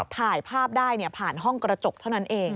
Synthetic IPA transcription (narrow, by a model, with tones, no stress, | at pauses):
t̪ʰaː˨˩jpʰaː˥˩p̚daː˥˩jni˥˩ɐpʰaː˨˩nɦɔ˥˩ŋkɾa˧t͡ɕo˨˩k̚t̪ʰa˥˩wna˦˥nʔeː˧ŋ